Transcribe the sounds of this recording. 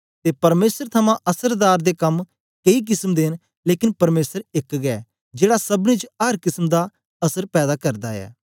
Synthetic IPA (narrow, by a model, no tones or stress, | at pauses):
t̪eːpɐɾmeːsəɾt̪ʰɐmãʔɐsəɾd̪aːɾd̪ekɐm | keik̬ɪsəmd̪eɦn | leːkɪnpɐɾmeːsəɾɪkɡɛː | d͡ʒeːɽasɐbnĩt͡ʃɐɾkɪsəmd̪a | ɐsəɾpɛːd̪aːkɐɾd̪aːɛ̰ː